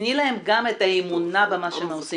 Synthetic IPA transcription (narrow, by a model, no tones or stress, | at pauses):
nilaɦe̞mɡame̞taemunabemaʃeemosi